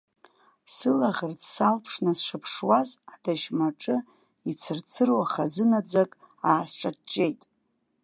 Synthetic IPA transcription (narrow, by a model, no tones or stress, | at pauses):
sɨlaʁʲərtsalpʰʂnɨsʂapʰʂwazadaʃmaʈ͡ʂʼɨ | it͡sʰɨrt͡sʰɨrwaχazɨnad͡zakʼ | aːsʈ͡ʂʼat͡ʃʼːe̞jtʼ